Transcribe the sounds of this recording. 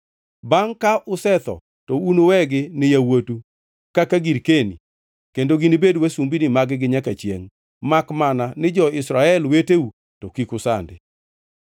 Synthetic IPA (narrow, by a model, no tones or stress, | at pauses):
baŋkaʔʊsɛt̪ɔ̰ | tɔunowɛɡɪnɪjawotu | kakaɡiɾkenḭ | kendoɡinibedwesumbinimaɡɪɡɪɲakat͡ʃjḛŋ | makmananɪd͡ʒɔɪsɾaɛlweteu | tɔkikʊsa̰ndɪ̰